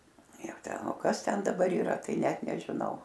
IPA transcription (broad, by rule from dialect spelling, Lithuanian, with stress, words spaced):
ˈjɛʊ ˈtʲɛn oː ˈkɐs tʲɛn dɐˈbɐr iːˈrɐ ˈtɐɪ ˈnʲɛt nʲɛʒʲɪˈnɐʊ